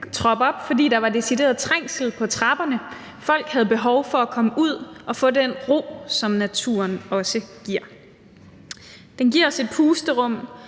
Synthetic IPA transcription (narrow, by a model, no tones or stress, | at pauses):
t͡sʰʁɒ̽b̥ɒ̽b̥fɒ̽dḭːd̥ɑ̈ʋɑ̈d̥e̝side̝̰ːɐð̞ˠt͡sʰʁaŋ̰sl̩ˠpʰɒ̽t͡sʰʁɑ̈b̥ɐnə | fɒ̽l̰ɡ̥hæð̞ˠb̥e̝ɦɒʊfɒ̽ækʰɒ̽məʔuð̞̰ˠʔɒ̽fɔ̰̽ːdenʁo̝̰ːsɒ̽mnæt͡sʰṵɐnɒ̽səɡ̥iɐ̰ | d̥enɡ̥iɐɒ̽se̝d̥̚pʰuːsd̥əʁɔ̽m̰